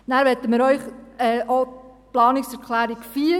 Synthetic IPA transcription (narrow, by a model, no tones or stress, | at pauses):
næːɾʋɛt̪ːəmɪːɾœʏχɛːʔoplɑːnɪksɛɾkʰlæːɾikfiː